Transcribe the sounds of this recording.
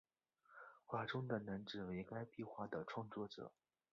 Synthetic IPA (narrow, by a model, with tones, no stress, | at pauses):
xwa˥˩ʈ͡ʂʊ˥ŋd̪ə˨na˧˥nʈ͡ʂɻ̩˨˩we˧˥ɪka˥ɪpi˥˧xwa˥˩d̪ə˩ʈ͡ʂʰwɑ˥˧ŋt͡swɔ˥˩ʈ͡ʂɤ̰˨˩˦